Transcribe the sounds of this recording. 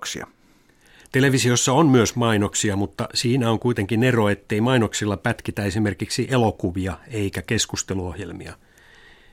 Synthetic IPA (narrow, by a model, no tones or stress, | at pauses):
ksḭɑ̰ | t̪e̞le̞ʋisio̞sːɑonmyøsmɑjno̞ksiɑmut̪ːɑ̰siːnæoŋkuit̪e̞ŋkine̞ro̞e̞t̪ːe̞imɑino̞ksilːɑpæt̪kit̪æe̞sime̞rkiksiʔe̞lo̞kuʋiɑeikæke̞skust̪e̞luo̞hje̞lmḭɑ̰